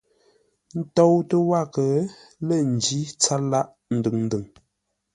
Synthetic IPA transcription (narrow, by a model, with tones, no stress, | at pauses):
n̩˦to˦wtə˦wa˦˨kə˨lə˦˨n̩˨d͡ʒi˦t͡sa˦la˦ʔ | n̩˦dɨ˨ŋn̩˦dɨ˨ŋ